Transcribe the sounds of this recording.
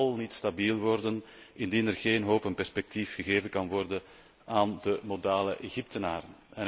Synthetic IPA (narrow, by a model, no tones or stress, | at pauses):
ɑlˠnitstabiːlˠʋɔrdən | ʔɪndinɛrɣeːnɦoːpənpɛrspɛk̚tifɣəɣeːvənkɑnʋɔrdən | aːndəmodaːləʔeɣɪp̚tənaːɾənɛn